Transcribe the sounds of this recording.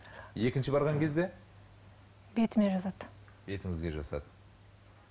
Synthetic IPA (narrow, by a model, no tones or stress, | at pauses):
je̞kʲɪnʃɪbɑɾʁɑŋkʲʰe̞zd̪e̞ | be̞t̪ɪmeʒɑzɑd̪ | be̞t̪ɪŋɪzɡʲe̞ʒɑsɑ̰d̪ə